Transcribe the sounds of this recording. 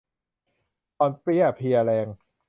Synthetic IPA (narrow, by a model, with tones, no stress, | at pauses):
t̪ɔː˧npi˥˩ɐ˩pʰi˧ɐlɛː˧ŋ